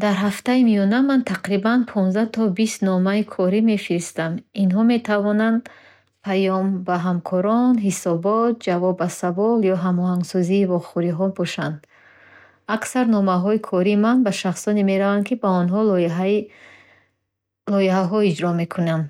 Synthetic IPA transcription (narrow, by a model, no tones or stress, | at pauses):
d̪aɾɦaft̪aimijɔnamant̪ʰaqɾibanpʰɔ̃nzd̪at̪ʰɔbist̪nɔmaikʰɔɾime̞fiɾist̪aminɦɔme̞t̪ʰavɔnand̪ | pʰajɔmbaɦamkʰɔɾɔnɦisɔbɔt̪̚d͡ʒavɔbːasavɔljɔɦamɔɦaŋɡsɔziːvɔχuɾiɦɔbɔʃand̪ | aksaɾnɔmaɦɔikʰɔɾimanbaʃaχsɔneme̞ɾavankʰibaɔnɦɔl | lɔiɦaɦɔid͡ʒɾɔme̞kʰunam